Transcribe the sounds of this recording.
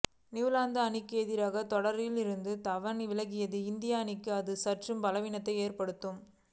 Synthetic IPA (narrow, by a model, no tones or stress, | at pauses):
nɪʋɯlaːnd̪ɐːnɪkːeːðɪɾaːɣɐt̪ɔɽɐɾɪlɪɾɯnd̪ɯt̪ɐʋɐnʋɪlɐɣɪjɐðɯɪnd̪ɪjaːɐnɪkːɯɐðɯsɐʈrɯmpɐlɐʋɪnɐt̪ːɐɪeːrpɐɽɯt̪ːɯm